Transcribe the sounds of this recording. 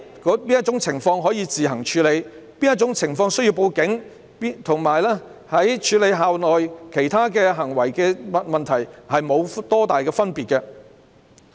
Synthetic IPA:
kɔ˨˥liː˥jɐ˥t̚t͡sʊ˨˥ŋt͡sʰɪ˨˩ŋfɔː˧ŋɦɔː˨˥jiː˨˧t͡siː˨ɦɐ˨˩ŋt͡ʃʰyː˨˧le˨˧j | piː˥njɐ˥t̚t͡sʊ˨˥ŋt͡sʰɪ˨˩ŋfɔː˧ŋsɵ˥ɥjiː˧wpo˨˧wkɪ˨˥ŋ | pi˥t̪ʰʊ˨˩ŋmaː˨˩jlɛː˥ | hɐ˨˥jt͡ʃʰyː˨˧˥le˨˧jɦaː˨˧wnɔː˨˩jkʰe˨˩jt̪ʰaː˥kɛː˧ɦɐ˨˩ŋwɐ˨˩jkɛː˧m˨mɐ˨nt̪ʰɐ˨˩jhɐ˨jmo˨˧wt̪ɔː˥t̪aː˨jkɛː˧fɐ˥npiː˨t̚kɛ˧

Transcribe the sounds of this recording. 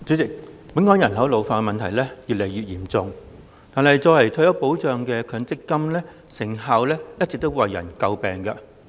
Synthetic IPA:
t͡syː˨˥t͡sɪ˨k̚puː˨˥nkɔː˨˥njɐ˨˩nɦɐ˨˥wlo˨˧wfaː˧t̚kɛ˧mɐ˨nt̪ʰɐ˨˩jlɛː˥jyː˨le˨˩jːyː˨t̚jiː˨˩mt͡sʊ˨ŋ | t̪aː˨nhɐ˨jt͡sɔː˧jlɐ˨˩jt̪ʰɵ˧jɐ˨˥wpo˨˥wt͡ʃœː˨˧ŋkɛː˧kʰœː˨˥ŋt͡sɪ˥kːɐ˥mlɛː˥ | sɪ˨˩ŋɦaː˨˧wlɛː˥jɐ˥t̚t͡sɪ˨k̚t̪o˥wɐ˨jːɐ̰˨˩nkɐ˧wpɛː˨ŋkɐ˧

